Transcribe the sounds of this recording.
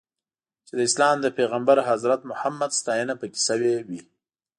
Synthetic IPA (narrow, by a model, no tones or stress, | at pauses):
t͡ʃed̪əɪslɑmd̪əpeɣambaɾɦazɾat̪mʊhamːad̪st̪ɑjənapəke̥səwewi